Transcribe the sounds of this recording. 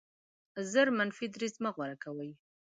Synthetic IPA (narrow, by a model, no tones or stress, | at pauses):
zəɾmanfid̪ɾizmaɣwaɾakawəj